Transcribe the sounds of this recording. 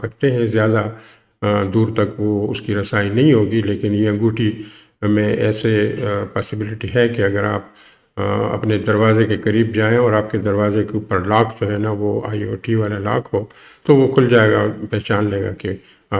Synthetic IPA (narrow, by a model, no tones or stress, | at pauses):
kɐɾt̪eɦɛ̃zjaːd̪a | d̪uːɾt̪ɐkʋoʊskiɾɐsaːinɐɦĩɦoːɡileːkɪnjẽɡuːʈi | mẽʔɛ̰ːsepaːsɪbɪlɪʈiɦɛkiɐɡəɾaːp̚ | ɐ̰pned̪ɐɾʋaːzekekɐɾiːbd͡ʒaːẽɔːɾaːp̚ked̪ɐɾʋaːzekepəɾlaːkʰd͡ʒoːɦɛnaʋoa̰ːio̰ːʈʰiʋaːlela̰ːkʰɦoː | t̪oʋokʰʊld͡ʒaːeːɡapɛːt͡ʃaːnleːɡa̰ke | aː